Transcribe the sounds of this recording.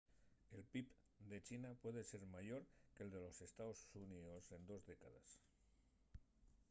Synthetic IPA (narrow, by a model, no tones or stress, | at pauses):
elpip | d̪et͡ʃinapweðeseɾmajoɾkeld̪elosest̪aosuniðose̞nd̪ozðekaða̰s